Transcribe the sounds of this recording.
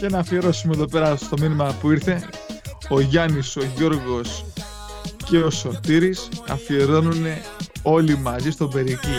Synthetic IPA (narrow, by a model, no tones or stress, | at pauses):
cenɐːfieɾo̞sumeðo̞pe̞ɾɐst̪o̞minimɐpuiɾθe̞ | o̞ʝɐniso̞ʝo̞ɾɣo̞s | ce̞o̞so̞ɾt̪iɾisɐ̰fie̞ɾo̞nune̞ | o̞limɐzist̪o̞be̞ɾici